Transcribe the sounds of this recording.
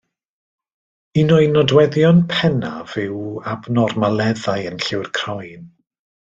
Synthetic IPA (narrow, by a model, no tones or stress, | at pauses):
inɔɨnɔdwɛðjɔnpʰɛna̰vɪwabnɔrmalˠɛðajənɬɪwrkʰr̥ɔjn